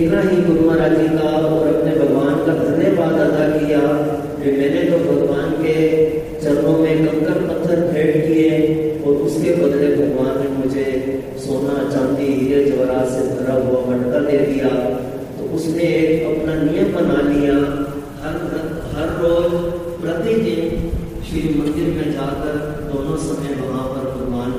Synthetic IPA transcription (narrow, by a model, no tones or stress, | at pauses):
ekaɦiɡ̪ʊɾmaɾaːd͡ʒiːk̪aɔːɾɐpnebʱɐɡʋaːnkad̪ʱɐnjeʋaːd̪aːd̪akija | kemɛ̃ːned͡ʒobʱɐɡʋaːnke | t͡ʃɐɾmõmẽkɐ̃mkəɾpɐt̪ʰːəɾbʱeːɽkieɔːɾʊskebɐd̪lebʱɐɡʋaːnːẽmʊd͡ʒʱe | soːnat͡ʃɐ̃md̪iɦiɾed͡ʒɐʋɾaːsebʱɐɾaɦʊabɐɳkad̪ed̪ija | t̪o̰ʔʊsneːkɐpnanijəmːɐnaːlija | ɦɐɾə | ɦɐɾːoːd͡ʒ | pɾɐt̪id̪ɪn | ʃɾiːmə̃nd̪ɪɾmẽd͡ʒaːkəɾ | bʊmə̃sɐməjʋɐɦãpɐɾbʱɐɡʋaːn